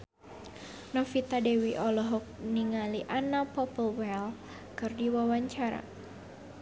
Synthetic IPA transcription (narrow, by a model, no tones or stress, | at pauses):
nɔfit̪adewiʔɔlɔɦɔk̚niŋaliʔanapɔpəlwɛl | kɨrdiwawaɲt͡ʃaɾa̰